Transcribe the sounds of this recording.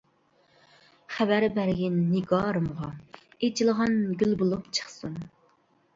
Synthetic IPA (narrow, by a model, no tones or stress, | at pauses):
χæbæɾbæɾɡʲɛnːɪɡɑːɾɨmʁɑet͡ʃʰilˠəʁɑnɡʲylbolˠupt͡ʃʰə̥χsun